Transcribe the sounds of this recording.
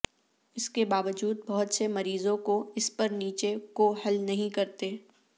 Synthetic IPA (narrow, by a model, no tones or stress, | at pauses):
ɪskebaːʋəd͡ʒuːd̪̚bɐɦʊt̪semɐɾiːzõkoɪspɐɾniːt͡ʃekohɐlnɐɦĩkɐɾt̪eː